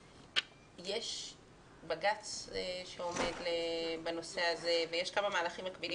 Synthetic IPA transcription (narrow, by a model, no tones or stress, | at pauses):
je̞ʃ | baɡat͡sʃeo̞me̞d̪lebano̞se̞hazevejeʃkamamaːlaχimːakbili